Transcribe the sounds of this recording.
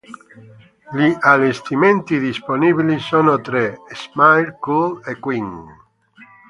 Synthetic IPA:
liʔalest̪iment̪iðisponibilisonot̪ɾesmajlkulekwiŋ

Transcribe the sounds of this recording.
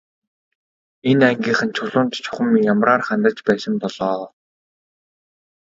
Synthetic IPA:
enæŋɡʲiːχɘ̆nt͡ɕʰʊɮʊːnt̪t͡ɕʰʊ̥χə̆mijamraːrχant̪ə̆t͡ɕpæːsə̆mp̪ɔɮɔː

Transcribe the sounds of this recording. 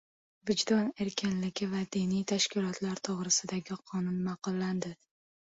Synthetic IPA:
vɪd͡ʒd̪ɒne̞ɾkʲʰɪnlɪɡʲɪvad̪inijt̪ʰaʃkʲɪlˠɒt̪ʰlaɾt̪ʰoʁɾɪsɪd̪aɡʲɪqʰɒnʊnmɑqʊlˠːand̪ɪ

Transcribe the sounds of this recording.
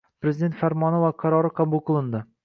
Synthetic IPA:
pɾʲezid̪et̪faɾmɒnovwaqʰɑɾɒɾɨqʰɑbuqɨlˠɨnd̪ɪ

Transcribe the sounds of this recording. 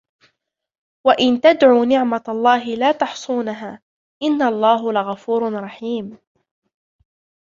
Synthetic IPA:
waʔɪnt̪ad̪ʕuːnɪʕmalˤːɑːɦɪlaːt̪ɑħsˤuːnaɦaː | ʔɪnːalˤːɑːɦlɪɣafuːɾɾˤɑħiːm

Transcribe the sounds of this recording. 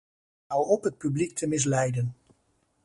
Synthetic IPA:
awɔpɦət̚pyblik̚tʰəmɪs̬lɛjdən

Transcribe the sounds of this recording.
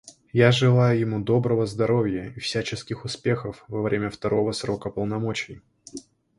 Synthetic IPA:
jaʐɨlˠajʊjɪmud̪o̞bɾəvəzd̪ɐɾo̞vʲjəifsʲæt͡ɕɪskʲɪxʊspʲe̞xəfvɐvɾʲemʲəft̪ɐɾo̞vəsɾo̞kəpəlˠnɐmo̞t͡ɕɪj

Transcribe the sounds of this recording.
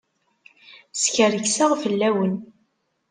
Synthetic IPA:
sçərəçsaʁfəlːæwən

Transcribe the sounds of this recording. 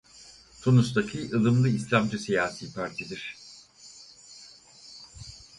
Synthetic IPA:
t̪ʰunust̪acʰiʔɯlˠɯmlˠɯislʲamd͡ʒɯsejaːsiːpʰaɾt̪ʰid̪iɾ̝̥

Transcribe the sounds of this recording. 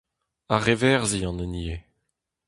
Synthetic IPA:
aʁevɛʁziɑ̃nənie

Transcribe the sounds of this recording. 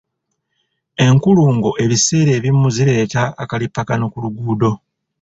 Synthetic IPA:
e̞ŋkuluːŋɡo̞ʔe̞βiseːɾe̞ːβimːuziɾe̞ːtaːkalipːakanokuluɡuːdo̞

